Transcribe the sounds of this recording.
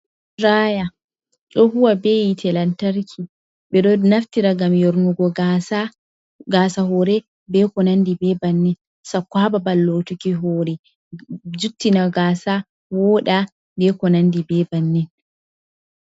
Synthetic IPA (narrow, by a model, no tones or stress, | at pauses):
ɾaːja | ɗɔhuwabejitʰɛlantaɾkʰi | ɓɛɗɔnaftiɾaɡamjoɾnuɡɔɡasa | ɡaːsaɦɔɾɛ | bɛkɔnandibɛbanːɛn | sakːaːbabalːotukiɦɔɾɛ | d͡ʒutːinaɡaːsa | wɔːɗa | bɛkɔnandibɛbanːɛn